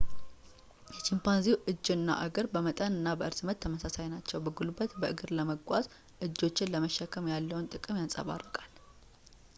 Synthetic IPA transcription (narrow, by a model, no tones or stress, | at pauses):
jɛt͡ʃimpanziwʔɨd͡ʒːɨnːa̰ʔəɡəɾbəmət̪ʼənɨnːabəʔɨɾsmət̪t̪ʰːəməsasajnat͡ʃːɛwbəɡulubət̪bəʔɨɡɨɾləməɡʷwaz | ʔɨd͡ʒːo̞t͡ʃːɪnləməʃːɛkʰːəmjalːəwnt̪ʼɨkʼɨmjansʼə̰βa̰rːəkʼal